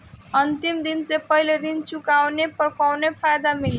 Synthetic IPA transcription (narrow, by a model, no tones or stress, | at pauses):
ʌnt̪imd̪insepʌɦileɾint͡sukawnepɾʌpawnepʰajd̪amil